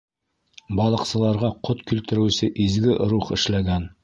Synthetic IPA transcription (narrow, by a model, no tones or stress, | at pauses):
bɑlˠɤ̆qsɤ̆lˠɑɾʁɑqʰot̪kʉlt̪ɘ̆ɾɘ̆sɘʔizɡɘʔɾuχɘ̰̆ʃlæɡæn